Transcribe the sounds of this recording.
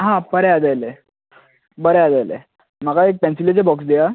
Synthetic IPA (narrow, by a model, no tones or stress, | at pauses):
ɦãbəɾead̪ajle | bəɾead͡z̪ajlḛ | m̤akaek̚pɛ̃nsilet͡sebɔksd̪ija